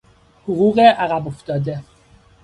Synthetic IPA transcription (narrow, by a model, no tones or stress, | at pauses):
hoɣuːɣeʔæɣæboft̪ɒːd̪e